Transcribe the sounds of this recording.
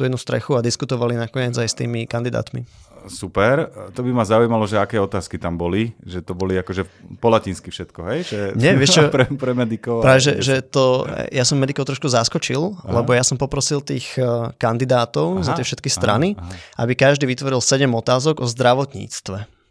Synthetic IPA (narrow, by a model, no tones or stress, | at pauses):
t̪uɛd̪nust̪ɾɛ̰xuad̪iskut̪ɔʋalinakɔɲɪɛːd͡zajst̪ḭːmikand̪id̪a̰ːt̪mḭsupɛɾt̪ɔbimazaujmalɔʒɛakɛːɔt̪aːskit̪ambɔliʒɛt̪ɔbɔliakɔʒɛpɔlacinskifʃɛt̪kɔɦɛjʒɛɲɛʋɛʃt͡ʃɔpɾɛpɾɛmɛd̪ikɔpɾaːʋɛʒɛʒɛt̪ɔjasɔmmɛd̪ikɔʊt̪ɾɔʃkuzaskɔt͡ʃillɛbɔjasɔmpɔpɾɔsilt̪iːxkand̪id̪aːt̪ɔʊzat̪ɪɛfʃɛt̪kist̪ɾʔa̰niʔabikaʒd̪iːʋit̪ʋɔɾilsɛɟɛmɔt̪aːzɔɡɔzd̪ɾaʋɔt̪ɲḭːt͡st̪ʋɛ